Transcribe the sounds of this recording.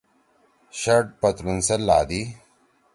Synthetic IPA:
ɕɐʈ̚pɐt̪ɾunselːaːd̪i

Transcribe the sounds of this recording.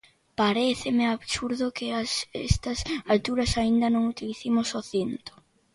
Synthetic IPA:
paɾeθɪmɪaβsuɾðʊkeasest̪ɐsalt̪uɾɐsaind̪ɐnõŋut̪iliθimosoθint̪o̥

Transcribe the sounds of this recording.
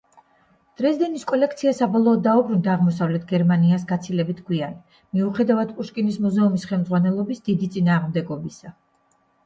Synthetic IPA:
d̪̥ɾɛzd̪ɛniskʼɔlɛkʰt̪sʰiasabɔlˠɔːd̪̚ːaubɾund̪aːʁmɔsavlɛt̪ʰɡɛɾmaniasɡat̪sʰilɛbit̪ʰkʰwian | miuχɛd̪avad̪pʼuʃkʼinismuzɛumisχɛlˠmd̪zʁwanɛlˠɔbisd̪id̪it̪sʼinaːʁmd̪ɛɡɔbisa

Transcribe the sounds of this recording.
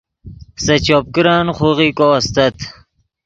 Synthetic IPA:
sɐt͡ɕop̚kɾaːnχoʁikoɐst̪ɐt̪

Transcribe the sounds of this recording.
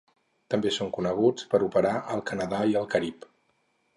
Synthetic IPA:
t̪əmbesoŋkunəɣ̞ut͡spəɾupəɾaʔəlˠkənəðaiəlˠkəɾip

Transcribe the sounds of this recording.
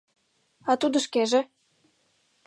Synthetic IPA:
ɑt̪ud̪ɤ̆ʃkeʒĕ

